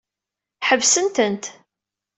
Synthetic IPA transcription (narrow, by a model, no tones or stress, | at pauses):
ħəvsənt̪ənt̪